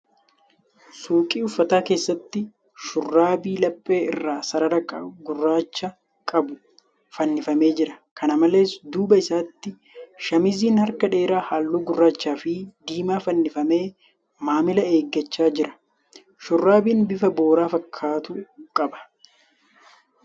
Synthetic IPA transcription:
suːkʼiːʊfːɐt̪aːke̞ːsːɐt̪ːɪ | ʃʊrːaːbiːlɐpʼːe̞ːɪ̰rːaːsɐɾɐɾɐkʼɐ̰ɡʊrːaːt͡ʃːɐ | kʼɐbʊ | fɐnːɪfɐme̞ːd͡ʒɪɾɐkʰɐnɐmɐle̞ːsd̪uːbɐɪsaːt̪ːɪ | ʃɐmɪziːnhɐɾkɐᶑe̞ːɾaːhaːlːuːɡʊrːaːt͡ʃːaːfɪd̪iːmaːfɐnːɪfɐme̞ː | maːmɪlɐe̞ːɡːɐt͡ʃːaːd͡ʒɪɾɐ̥ | ʃʊrːaːbiːnbɪfɐbo̞ːɾaːfɐkʰːaːt̪ʊkʼɐbɐ̥

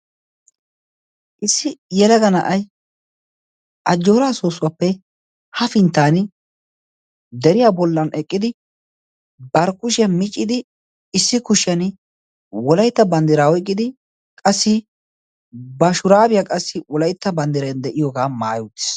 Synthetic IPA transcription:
ʔɪsːɪjɛlɐɡɐnɐʔɐj | ʔɐd͡ʒːo̞ːɾaːsoːsʊwapːɛ | hɐfɪnt̪ːaːn | d̪ɛɾɪjaːbɔlːɐnɛkʼːɪd̪ɪ | bɐɾkʊʃɪjɐmɪt͡ʃʼːɪd̪ɪ | ɪsːɪkʊʃɪɐn | wɔlɐjt̪ːɐbɐnd̪ɪɾaːwɔjkʼːɪd̪ɪ | kʼɐsːɪ | bɐʃʊɾaːbɪjɐkʼɐsːɪwɔlɐjt̪ːɐbɐnd̪ɪɾɐjnd̪ɛʔɪjɔɡaːmaːjut̪ːɪ̥s

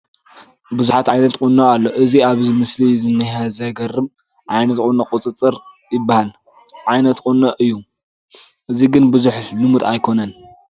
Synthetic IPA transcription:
buzuħat̪ʕajnɐt̪kʼunːoʔalːo̞ʔɨziaβzimɨslizɨnːɨhɐzɐɡɐrɨm | ʕajnɐt̪kʼunokʼut͡sʼɨt͡sʼɨɾ | jɪbːahal | ʕajnɐt̪kʼunːoʔɨjːu | ʔɨziɡɨnbɨzuħnɨmud̪ajkʰo̞nɐn

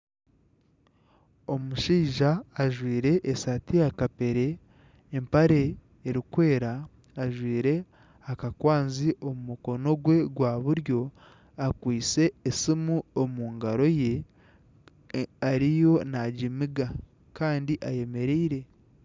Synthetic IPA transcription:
o̞muʃiːʒaːʒwiːɾe̞ʔːsatijakape̞ɾe̞ː | mpaɾe̞ː | ɾikwe̞ːɾaː | ʒwiːɾe̞ | akakwaːnziʔo̞mumukono̞ɡwe̞ɡwaːβuɾjo̞ | akwiːt͡se̞ːsimuomuːŋɡaɾo̞je̞ | aɾijo̞naɟimiɡa | kaːndiʔaje̞me̞ɾeiɾe̞

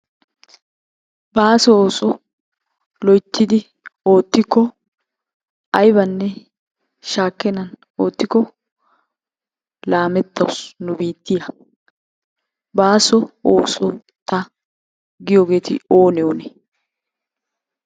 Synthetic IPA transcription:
baːsɔoːsɔ | lɔjt̪ːɪd̪ɪ | o̞ːt̪ːɪkːɔ | ɐjbɐnːɛ | ʃaːkːɛnɐn | oːt̪ːɪkːɔ | laːmɛt̪ːɐwʊsnʊbiːt̪ːɪjɐ | baːsɔo̰ːsɔ | t̪ːɐ | ɡɪjoːɡe̞ːt̪ɪ̰o̞ːnɛoːnɛ

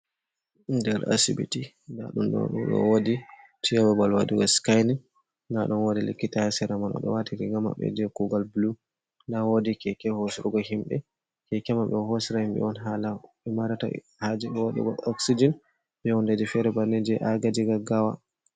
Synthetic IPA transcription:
dɛɾa̰sibḭti | nda̰ɗunɗɔ̰ɗṵnɗɔ̰wodi | tʰiababalwaduɡɔskajnɛ | daɗunwodilḭkːitaɛsɛɾamanɔ̰ɗɔ̰watʰiɾiɡama̰ɓɛ̰d͡ʒɛkuɡalblu | ndawodikɛkɛhosiɾuɡɔhimɗɛ̰ | kɛkɛmaɓɛhosiɾahimɓɛ̰wɔnɦalaɓɛmaɾata̰ | had͡ʒɛɗɛwaɗɛ̰ɡɔ̰ɔksid͡ʒɔn | ɓɛwɔndad͡ʒifɛɾɛbanːɛd͡ʒɛʔaɡad͡ʒiɡaɡawa̰

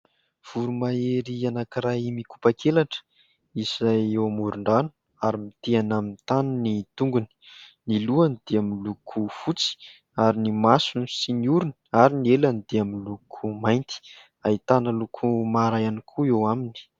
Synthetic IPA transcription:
v̥uɾumaeɾianakiɾajimiku̥pakʰelaʈ͡ʂ | isajewmuɾuɳɖ͡ʐan̥ | aɾimit̪eanamint̪anunit̪uŋɡuni̥niluanid̪̥eaminlukʰufut͡si̥ | aɾinimasunisinuɾuniaɾinielanid̪̥eaminlukʰumajnt̪i̥ | ait̪anəlukʰumaɾajanikʰuewamini̥

